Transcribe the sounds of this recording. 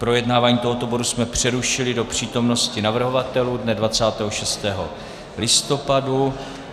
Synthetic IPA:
pɾo̞jɛdnaːvaːɲiːt̪oɦo̞t̪o̞bo̞dusmɛpr̝̥ɛɾuʃɪlɪdo̞pr̝̥iːt̪o̞mno̞scɪnavr̩ɦo̞vat̪ɛluːdnɛdvat͡saːt̪ɛːɦo̞ʃɛst̪ɛːɦo̞̰ | lɪst̪o̞padu

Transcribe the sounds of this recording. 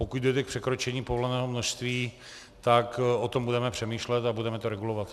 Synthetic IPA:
pokuɟdojt̪ɛkpr̝̥ɛkɾot͡ʃɛɲiːpovolɛnɛːɦomnoʃst̪viː | t̪akʔot̪ombudɛmɛpr̝̥ɛmiːʃlɛt̪abudɛmɛt̪oɾɛɡulovat̪

